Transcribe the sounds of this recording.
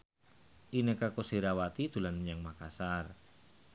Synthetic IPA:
ʔinəkakosiɾawat̪id̪̥ṳlanməɲaŋmakasar

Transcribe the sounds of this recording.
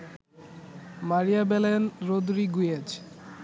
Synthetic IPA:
maɾijabɛlenɾod̪ɾiɡujed͡ʑ

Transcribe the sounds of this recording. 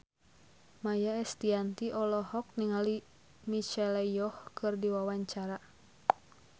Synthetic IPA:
majaɛst̪iant̪iʔɔlɔhɔk̚niŋali | mit͡ʃɛlɛjɔhkʰɨrdiwawaɲt͡ʃaɾa

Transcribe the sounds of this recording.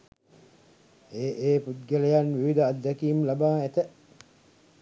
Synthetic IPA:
eːʔeːput̪ɡelejanʋiʋid̪əad̪ːækiːmlabaːet̪ə

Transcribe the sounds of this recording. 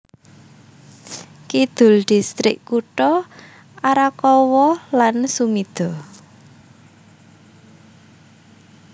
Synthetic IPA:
kid̪̥ʊ̤lɖ̪̥i̤st̪ɾɪkkuʈɔ | ʔaɾakɔwɔlansumid̪̥ɔ

